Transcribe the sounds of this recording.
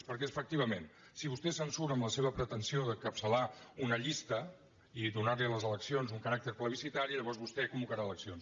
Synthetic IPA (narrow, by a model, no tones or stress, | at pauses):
pəɾkɛfək̚t̪iβ̞əmen | siβust̪ɛsənsuɾəmləseβəpɾət̪ənsioðəkəpsəlaunəʎist̪ə | iðunaɾliələzələksionzuŋkəɾak̚t̪əɾpləβisit̪aɾiʎəβɔrzβust̪ɛkumbukəɾaələksions